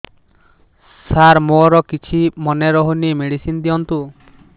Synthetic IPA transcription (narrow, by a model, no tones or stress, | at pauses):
saɾmoɾɔkit͡ʃʰimɔneɾɔɦunimeɽisind̪iɔnt̪u